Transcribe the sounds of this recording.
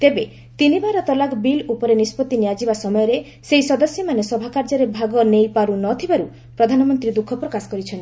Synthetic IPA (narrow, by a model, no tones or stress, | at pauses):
t̪ebe | t̪inibaɾɔt̪ɔlakbilupɔɾenispɔt̪ːinijad͡ʒibasɔmɔjɔɾe | seisɔd̪ɔsjɔmanesɔbʱakaɾd͡ʒɔɾebʱaɡɔnejpaɾunɔt̪ʰibaɾu | pɾɔd̪ʱanɔmɔnt̪ɾid̪ukʰɔpɾɔkasɔ̥kɔɾit͡ʃʰɔni